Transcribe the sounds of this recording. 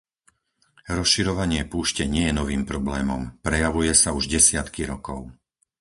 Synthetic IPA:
ɾɔsʃiɾɔʋaɲɪɛpuːʃcɛɲɪɛjɛnɔʋiːmpɾɔblɛːmɔmpɾɛjaʋujɛsauʒɟɛsɪat̪kiɾɔkɔʊ

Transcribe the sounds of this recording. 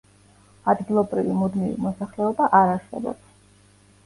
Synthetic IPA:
ad̪ɡilˠɔbɾivimud̪mivḭmɔsaχlɛɔbaʔaɾaɾsɛ̰bɔ̰ps

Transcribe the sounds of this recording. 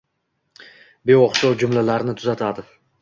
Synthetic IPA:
be̞ɒqʃɒwd͡ʒʊmlalaɾnɪt̪ʰʊzat̪ʰad̪ɪ

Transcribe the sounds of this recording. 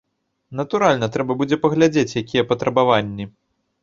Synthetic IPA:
nɐt̪uɾalʲnɐt̪ɾɛbɐbud͡zʲɛpɐɣlʲad͡zʲet͡sʲjakʲijɛpɐt̪ɾɐbavanʲːi

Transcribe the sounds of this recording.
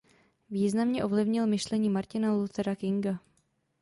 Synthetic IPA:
viːznamɲɛʔo̞vlɪvɲɪlmɪʃlɛɲiːmaɾcɪnalut̪ɛɾakɪŋɡa

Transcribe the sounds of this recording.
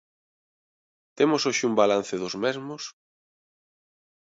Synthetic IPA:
t̪emʊsoʃɪumbalan̟θɪðʊzmɛzmʊs

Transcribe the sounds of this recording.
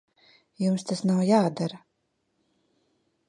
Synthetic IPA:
jumst̪asnawjaːd̪aɾa

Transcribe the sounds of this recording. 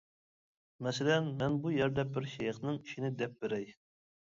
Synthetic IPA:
mɛsɪlɛnmɛnbujɛɾd̪ɛbɪɾʃɛjɑχnɨŋiʃinɪd̪ɛp̚beɾɛj

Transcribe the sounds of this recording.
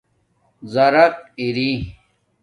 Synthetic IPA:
zɐɾɐq̚iɾi

